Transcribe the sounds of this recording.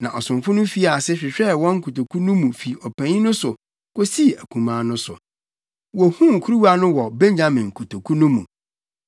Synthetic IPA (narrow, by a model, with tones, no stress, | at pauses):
nã˨ʔɔ˨sʊ̃˨mfʊ˦nʊ̃˦fi˦a˨sɪ˦ɕᶣɪ˨ɕᶣɛ˦˨wɔ̃˦ŋ̩˦kʰu˨to˨kʰu˦nũ˦mũ˨fi˨ɔ˨pʰæ̃˨ɲĩ˦nʊ̃˦sʊ˨ | ko˦si˦˨æ˨kʰũ˨mãː˨˦nʊ̃˦sʊ̰˨ | wɔ˨hũ˦ŋ˨kʰu˦ɾu˦wa˦nʊ̃˦wɔ˨bɛ̃˦ɲd͡ʑa˦mɪ̃˨ŋ̩˨kʰu˨tʰo˨kʰu˦nʊ̃˦mũ˨